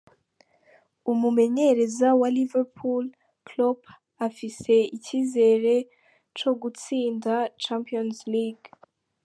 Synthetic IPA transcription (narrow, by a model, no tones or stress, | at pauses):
umume̞ɲe̞ɾe̞zawaliveɾpʰul | klob | afise̞iciːze̞ɾe̞ | t͡ʃo̞ɡut͡siːndat͡ʃampionzliɡ